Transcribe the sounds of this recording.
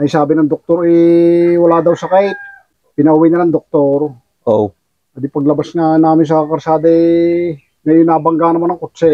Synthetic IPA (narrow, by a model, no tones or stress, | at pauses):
ɐjsaːbɪnɐŋd̪ok̚t̪oɾɛwɐlaːd̪ɐwsɐkaj | pɪnɐʔʊwɪjnɐnɐŋd̪ok̚t̪oɾ | ʔo | ad̪ɪpɐɡ̚lɐbasŋanaːmɪns̬ɐkɐɾsaːd̪ɐɛ | ŋɐjonːaːbɐŋɡanɐmanɐŋkʊt̪t͡ʃɛ